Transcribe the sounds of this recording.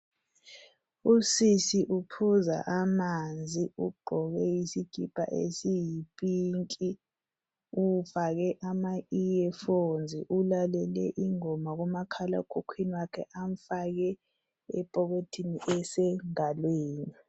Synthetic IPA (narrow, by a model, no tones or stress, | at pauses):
usisiʔupʰuza̰ʔamand͡zʱiuɡ͡ǃʱɔk̬ɛjisiɡ̥ʱipʼa̰ʔḛsijipʼiŋkʼi | ufak̬ɛʔamaijɛfond͡zʱḭʔulalɛlɛ̰ʔiŋɔmak̬ɔmakʰala̰ukʰukʰwiniwakʰɛ̰ʔaɱ̩fak̬ɛ | ɛpʼɔk̬otʰiniʔɛsɛŋalweːni